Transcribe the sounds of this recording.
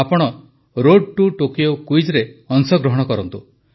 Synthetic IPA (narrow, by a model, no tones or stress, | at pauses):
apɔɽ̃ɔ | ɾoɖ̚ʈuʈokijokwid͡ʒɾeɔŋsɔɡɾɔɦɔɽ̃ɔkɔɾɔnt̪u